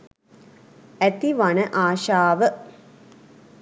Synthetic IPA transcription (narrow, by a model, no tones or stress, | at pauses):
æt̪iʋanəʔaːʃaːʋə